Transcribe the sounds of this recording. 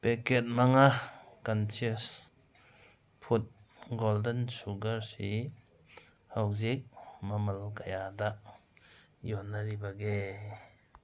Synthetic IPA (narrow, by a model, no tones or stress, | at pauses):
pɛkɛt̚maŋakant͡ʃis | pʰut̚ɡɔldənsuɡɐɾsi | hawzik̚mɐmalkajadaʔ | jɔnːaɾibaɡe